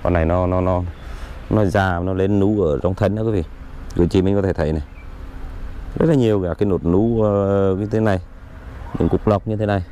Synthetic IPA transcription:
kɔ̰˨nːa˨˩jnɔ˨˦nɔ˨˦nɔ˨˦nɔ˨˦zaː˨nɔ˨˦le˨˦nːu˨˦ʔəː˧˩zɔ˨˧wŋ͡mt̪ʰə˧˩nʔaː˧˦kwi˨˦vḭ˧˨ | kɨ̰˧˩˨t͡ɕḭ˧˨mï̟˨kɔ˨˦e˧˩˨jna˨˩ | zə˦˥t̚laː˨ɲi˨˩əwkaː˧˩kaː˨˦jno˨˩t̚nu˨˦˧ɲɨ˧t̪ʰe˨˦na˨˩j | ɗḭ˨˧˨ŋkʊ˨˩k͡p̚la˨˩wk͡p̚ɲɨ˧t̪ʰe˨˦na˨˩j

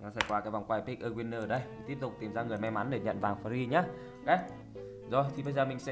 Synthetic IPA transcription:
ɲa˨˦sa˧˩jkwaː˧kaː˨˦jvwŋ͡mkwaː˧˩jpi˦˥k̚ʔəː˧kwi˧nːəː˧˨˩ɗə˧jmi˨˩ŋ̟t̪i˦˥əp̚t̪ʊ˨˩k͡p̚t̪i˨˩mzaː˧ŋɨ˨˩əjma˧jma˨˦nɗe˧˩ɲə̰˧˨nvaː˨˩ŋfa˧˩i˧ɲaː˨˧˦ | ka˨˦˥ | zo˨˩jt̪ʰi˨˩ɓə˧jzəː˨˩mï˨˩ŋ̟sɛ̰˧˥

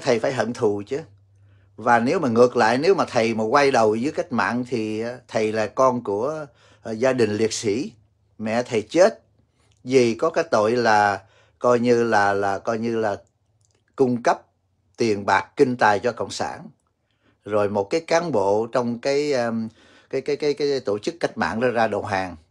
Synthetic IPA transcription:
t̪ʰə˨˩jfaː˧˩jɦə̰˧˨nt̪ʰu˧˨t͡ɕɨ˨˦ | vaː˨˩ne˨˦wmaː˨˩ŋɨ˨˩ək̚la̰ː˧˨jne˨˦wmaː˨˩t̪ʰə˨˩jmaː˨˩kwa˧jɗə˨˩wzɨ˨˦jka˦˥jk̟̚ma̰ː˧˨nt̪ʰi˨˩t̪ʰə˨˩jlaː˨˩kɔ˧nku˧˩ə | zaː˧ɗï˨˩ŋ̟li˨˩ət̚sḭ˧˩˥ | mɛ̰˧˨t̪ʰə˨˩jt͡ɕe˦˥t̚ | zi˨˩kɔ˨˦kaː˨˦jt̪o̰˧˨jlaː˨˩ | kɔ˧jɲɨ˧laː˨˩laː˨˩kɔ˧jɲɨ˧laː˨˩ | kʊ˧ŋ͡mkə˦˥p̚ | t̪wi˨˩ənɓaː˨˩k̚ki˧ŋ̟t̪aː˨˩jt͡ɕɔ˧ko̰˧˨wŋ͡msa̰ː˧˩n | zo˨˩jmo˨˩t̚kaː˨˦jkaː˨˦nɓo̰˧˨t͡ɕɔ˧wŋ͡mkaː˨˦j | kaː˨˦jkaː˨˦jkaː˨˦jkaː˨˦jjt̪o˧˩t͡ɕɨ˦˥kːa˦˥jk̟̚ma̰ː˧˨nɗɔ˧˨˦zaː˧ɗo̰˨˩wɦaː˨˩ŋ

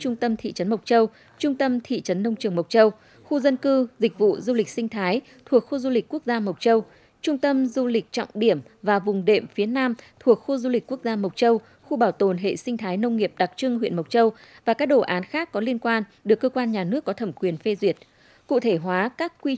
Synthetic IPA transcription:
t͡ɕʊ˧ŋ͡mt̪ə˧mt̪ʰḭ˧˨t͡ɕə˨˦nmə˨˩k͡p̚t͡ɕə˧w | t͡ɕʊ˧ŋ͡mt̪ə˧mt̪ʰḭ˧˨t͡ɕə˨˦nːə˧wŋ͡mt͡ɕɨ˨˩əŋmə˨˩wt̚t͡ɕə˧w | xu˧zə˧nkɨ˧zï˨˩k̟̚vṵ˧˨zu˧lï˨˩k̟̚sï˧ŋ̟t̪ʰaː˨˦j | t̪ʰu˨˩ək̚xu˧zu˧lï˨˩k̟̚ku˦˥ək̚zaː˧mə˨˩w̚t͡ɕə˧w | t͡ɕʊ˧ŋ͡mt̪ə˧mzu˧lï˨˩k̟̚t͡ɕɔ̰˧˨wŋ͡mɗi˧˩əmvaː˨˩vʊ˨˩ŋ͡mɗḛ˧˩əmfi˨˦ənaː˧mt̪ʰu˨˩ək̚xu˧zu˧lï˨˩k̟ku˦˥ək̚zaː˧mə˨˩wk͡p̚t͡ɕə˧w | xu˧ɓaː˧˩wt̪o˨˩nɦḛ˧˨sï˧ŋ̟t̪ʰaː˨˦jnə˧wŋ͡mŋi˨˩əp̚ɗa˨˩k̚t͡ɕɨ˧ŋɦwḭ˧˨ənmə˨˩wk͡p̚t͡ɕə˧w | vaː˨˩kaː˦˥k̚ɗo˧˩ʔaː˨˦nxaː˦˥kːɔ˨˦li˧ənkwaː˧nɗɨ˨˩əkːəː˧kwaː˧nɲaː˨˩nɨ˦˥əkːɔ˨˦t̪ʰə˧˩mkwi˨˩ənfe˧zwi˨˩ət̚ | kṵ˧˨t̪ʰe˧˩ɦwaː˨˦kaː˦˥kkːwi˧

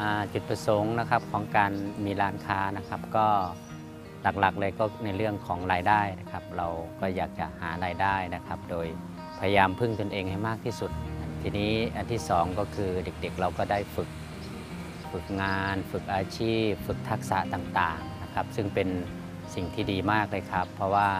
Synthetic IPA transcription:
ʔaː˨˧˩t͡ɕu˨˩t̪̚pʰa˧so˨˦ŋna˧kʰa˧˥p̚kʰɔː˨˦ŋkaː˧nmiː˧˥laː˧˥nkʰaː˧˥na˧˩kʰa˦˧˥p̚kɔː˧˥˩ | la˨˩k̚la˨˩k̚lɤː˧jkɔː˧˥˩na˧jlɯ˥˩əŋkʰɔː˩˦ŋlaː˧jdaː˥˩jna˧˥kʰa˦˧˥p̚ɾa˧wkɔː˥˩jaː˨˩k̚t͡ɕa̰˧˩ʔhaː˩˦laː˧jdaː˥˩jna˦˧kʰa˦˧˥p̚doː˨˧j | pʰa˧ja˧jaː˧mpʰɯ˥˩ŋt̪o˧nʔeː˧ŋha˧˩jmaː˥˩k̚t̪ʰiː˧˥˩su˨˧˩t̪̚ʔa˧˩nt̪ʰiː˧niː˦˥˩ʔa˧nt̪ʰiː˥˩sɔː˩˦ŋkɔː˧˩kʰɯː˧de˨˩k̚de˨˩k̚ɾa˧wkɔː˧˩daː˥˩jfɯ˨˩k̚ | fɯ˨˩k̚ŋaː˧nfɯ˨˩k̚ʔaː˧t͡ɕʰiː˥˩p̚fɯ˨˩k̚t̪ʰa˦˥k̚sa˧˦t̪aː˨˩ŋt̪aː˨˩ŋna˧kʰa˦˥p̚sɯ˧˥˩ŋpe˧n | si˨˩ŋt̪ʰiː˧˩diː˨maː˥˩k̚lɤː˧˥˨jkʰa˧˥pʰːɔ˧waː˧˩

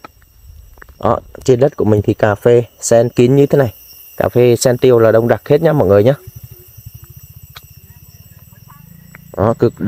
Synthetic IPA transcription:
ʔɔ̰˧˥t͡ɕe˧nɗə˦˥t̚ku˧˩əmï˨˩ŋ̟t̪ʰi˨˩kaː˨˩fe˧sɛ˧nki˨˦nɲɨ˧t̪ʰe˨˦na˨˩j | ka̰ː˧˨˩fe˧sɛ˧nt̪i˧əwlaː˨˩ɗə˧wŋ͡mɗa˨˩k̚he˦˥t̚ɲaː˧mɔ̰˧˨jŋɨ˨˩əjɲaː˧ | ʔɔ˧˦kɨ˨˩k̚

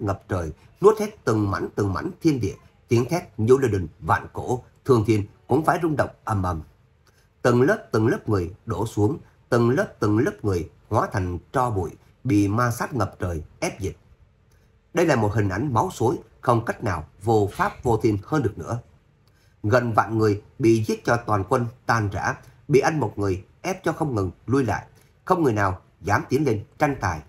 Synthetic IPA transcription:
ŋə˨˩p̚t͡ɕəː˨˩j | nu˦˥t̚t̪ʰɛ˦˥t̚t̪ɨ˨˩ŋma̰˧˥jŋt̪ɨ˨˩ŋma̰˧˥jŋt̪ʰi˧ənɗḭ˧˨ə | t̪i˨˦ənt̪ʰɛ˦˥t̚ɲɨ˧li˧ɗi˨˩ŋva̰ː˧˨nko̰˧˥t̪ʰɨ˧əŋt̪ʰi˧ənkʊ̰˧˥ŋ͡mfaː˧˩jzʊ˧ŋ͡mɗə̰˧˨wŋ͡mʔə˧˩mʔə˨˩m | t̪ɨ˨˩ŋləː˦˥p̚t̪ɨ˨˩ŋləː˦˥p̚ŋɨ˨˩əjɗo˧˩su˨˦əŋ | t̪ɨ˨˩ŋləː˦˥p̚t̪ɨ˨˩ŋləː˦˥p̚ŋɨ˨˩əj | hwaː˨˦t̪ʰa˨˩jŋ̟t͡ɕɔ˧ɓṵ˧˨j | ɓḭ˧˨maː˧saː˦˥t̚ŋə˨˩p̚t͡ɕəː˨˩jʔɛ˦˥p̚zi˨˩t̚ | ɗə˧jlaː˨˩mo˨˩t̚hï˨˩ŋ̟ʔa˨˧˦jŋ̟ma˨˦wso˨˦j | xə˧wŋ͡mka˦˥k̟̚naː˨˩wvo˧˩faː˦˥p̚vo˧t̪ʰi˧nhəː˧nɗɨ˨˩ək̚nɨ̰˧˥ə | ɣə˨˩nva̰ː˧˨nŋɨ˨˩əjɓḭ˧˨zi˦˥ət̚t͡ɕɔ˧t̪waː˨˩nkwə˧nt̪aː˧nza̰ː˧˥ɓḭ˧˨ʔa˧jŋmo˨˩t̚ŋɨ˨˩əj | ʔɛ˦˥p̚t͡ɕɔ˧xə˧wŋ͡mŋɨ˨˩nlu˧jla̰ː˧˨j | xə˧wŋ͡mŋɨ˨˩əjnaː˨˩w | zaː˨˦mt̪i˨˦ənle˧nt͡ɕa˧jŋ̟t̪aː˨˩j

